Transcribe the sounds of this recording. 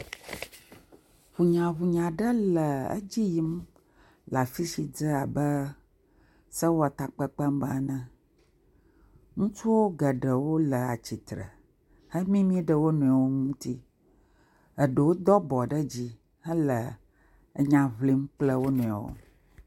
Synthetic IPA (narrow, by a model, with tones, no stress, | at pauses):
βu˨ɲã˨βu˨ɲã˨ɖə˦lə˨ə̰˦d͡ʑi˦ji˦m | la˨fi˦si˨d͡zə˦a˨bə˦ | sə˦wo˦a˨t̪a˨k͡pə˦k͡pə˦mba˦nə̃˦ | ŋũ˦t͡ʃu˦wo˦ɡə˨ɖə˨wo˦lə˨a˨t͡ɕi˨t̪ɾə̰˨ | hə˦mĩ˦mĩ˦ɖə˦wo˦nũ˨a˨wo˦ŋũ˦t̪i˦ | ə˨ɖə˨wo˦d̪ɔ˦bɔ˨ɖə˦d͡ʑi˦ | ɦə˦lə˨ | ə˦ɲã˦vli˦mk͡plə˦wo˦nũ˨a˨wo̰˦